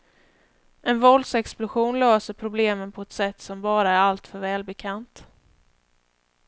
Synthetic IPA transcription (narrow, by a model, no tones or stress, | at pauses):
ʔɛnvɔld̪sɛksplʊɧuːnløːsəɾpʰɾʊbleːmənpʰɔɛt̪sɛt̪ːsɔmbɑːɾaæɾalt̪fœɾvɛːlbɛkʰant̪